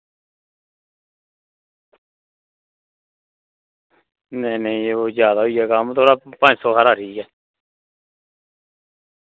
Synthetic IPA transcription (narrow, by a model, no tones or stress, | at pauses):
neːnẽĩːeoːzjaːd̪aːɦoːiːɛːkəmt̪ʰoːɾaːpə̃d͡ʒsoːkaːɾaːɾʰiːkɛː